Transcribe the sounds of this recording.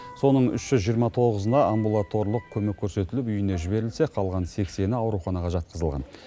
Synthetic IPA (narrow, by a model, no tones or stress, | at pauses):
so̞nəɴʏ̰ʃʒ̥ʏzʒijəɾmɑt̪ʰo̞ʁəzənɑʔambulˠat̪o̞ɾlˠəq̚kʲʰɵmekʲʰːɵɾse̞t̪ɪlɪpʏjɪne̞ʒɪbe̞ɾɪlse̞qʰɑlˠʁɑnse̞kse̞nɪɑwɾuχɑnɑʁɑʒɑt̪̚qəzəlˠʁɑ̰n